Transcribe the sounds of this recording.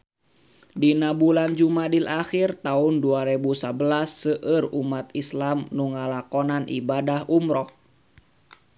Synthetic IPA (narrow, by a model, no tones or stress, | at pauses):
dinabuland͡ʒumadilʔaxirt̪aunduaɾɛbusabəlasːəʔərumat̪islamnuŋalakɔnanʔḭbadahʔumɾɔh